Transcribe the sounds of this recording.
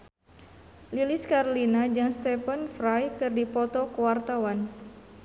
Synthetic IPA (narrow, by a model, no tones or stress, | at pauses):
liliskaɾolinad͡ʒɨŋst̪ɛpənfɾajkɨrdipɔt̪ɔkəwart̪awan